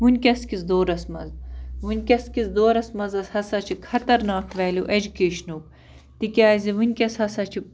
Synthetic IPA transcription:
ʋunʲkʲɐskizd̪oːɾɐsmɐ̰zʋunʲkʲɐskʲizd̪oːɾɐsmɐzɐshɐsɐt͡ʃʰikʰɐt̪ɐɾnaːkt̪ʰʋɛːlʲuʔed͡ʒukeːʃnuk̚ | t̪ikʲaːziʋunʲkʲɐshɐsɐt͡ʃʰi

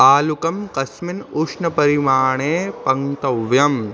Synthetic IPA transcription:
aːlukɐmkɐsminuːʂnɐpɐɾimaːɳeːpɐŋt̪ɐʋjɐm

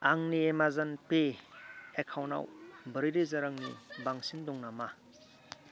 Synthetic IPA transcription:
aŋniemazanpe | ekʰawna̰wbəɾiɾizaɾaŋnḭbaŋsindɔŋnama

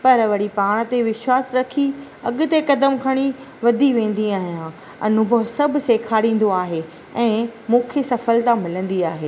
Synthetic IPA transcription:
pɐɾɐʋɐɽipaːɽ̃̆t̪eʋɪʃwaːsɾɐkʰi | ɐɠʊ̆t̪ekɐd̪əmkʰɐɽ̃i | ʋɐd̪ʱiʋẽːn̆d̪iaːɦijã | ɐ̰n̤ʊ̃boɦsɐbʱʊ̆seːkʰaːɽĩːn̆d̪oaːɦe | ɛ̃ːmũːkʰesɐfəlt̪ãmɪlə̃nd̪iaːɦeː

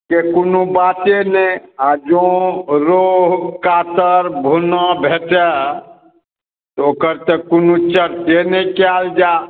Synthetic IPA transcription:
kekunubat̪enɛãd͡ʒõɾoɦkat̪əɾbʱunəbʱeʈɛ | t̪ɔoːkəɾt̪əkunũt͡ʃəɾt̪enɛkeald͡ʒa

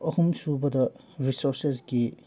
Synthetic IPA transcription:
ɐhumsubɐdɐ | ɾisoɾses̬ɡi

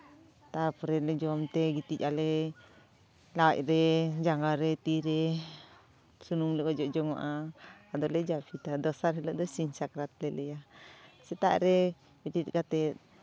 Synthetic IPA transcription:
t̪apɾɛled͡ʒɔamt̪eɡit̪it͡ʃale | la̰ʔɾed͡ʒaŋɡaɾet̪iɾe | sunumlekɔd͡ʒɔʔd͡ʒɔŋaʔaːd̪ɔled͡ʒafit̪ad̪ɔsaɾhelɔd̪ɔsinsakɾat̪̚lelejasɛt̪a̰ʔɾe | bit̪it̪kat̪ɛ

